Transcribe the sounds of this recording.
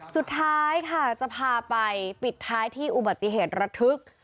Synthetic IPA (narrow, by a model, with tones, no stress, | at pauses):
su˨˩t̪ʰːaː˦˥˦jkʰa˥˩t͡ɕa˨˩pʰaː˧pa˧jpi˨˩t̪ʰːaː˦˥jt̪ʰiː˥˩ʔu˨˩ba˨˩t̪ːi˨˩ɦeː˨˩t̪̚ɾa˧˥t̪ʰɯ˦˥k̚